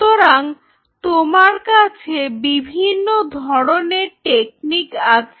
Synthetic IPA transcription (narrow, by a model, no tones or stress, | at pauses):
t̪oɾaŋ | t̪omaɾkat͡ɕʰebibʱinːod̪ʱɔɽoneɾʈek̚nikat͡ɕʰ